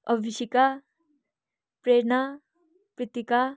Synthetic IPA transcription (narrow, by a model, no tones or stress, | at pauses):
ʌbʱisika | pɾeɾna | pɾit̪ika